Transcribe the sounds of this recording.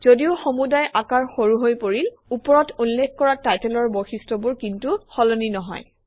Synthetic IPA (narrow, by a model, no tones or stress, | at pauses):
z̥odiʊxomudajʔakaɹxoɹuɦojpoɹil | upɔɹɔtʰunlekʰkɔɹatajtelɔɹboxistɔbʊɹkintuxɔloninɔɦɔ̰j